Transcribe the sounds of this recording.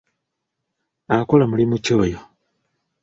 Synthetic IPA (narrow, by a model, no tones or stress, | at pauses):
akolamulimuco̞ːjo